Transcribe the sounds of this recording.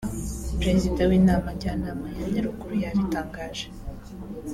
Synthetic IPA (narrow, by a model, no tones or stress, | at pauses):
pɾe̞zidawiːnaːmaɾɟaːnamajaɲɲeɾukuɾujaɾitaːŋɡaːʒ̥e